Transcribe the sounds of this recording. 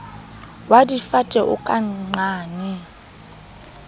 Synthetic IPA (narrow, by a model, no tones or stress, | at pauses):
wadifatʼɛʔṵkʼaŋ͡ǀaːnɛ